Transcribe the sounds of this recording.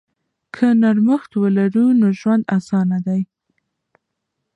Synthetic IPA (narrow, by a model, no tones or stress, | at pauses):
kʰənaɾməxt̪wəlaɾunoʒwand̪asɑnad̪aj